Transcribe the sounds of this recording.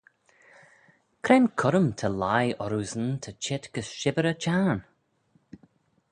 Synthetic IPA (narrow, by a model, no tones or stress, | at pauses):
kʰɾɛnkʰʊɾəmt̪ʰəlajɔɾuːzənt̪ʰət͡ʃʰɪt̪ɡ̥əsʃɪbəɾət͡ʃʰaɹn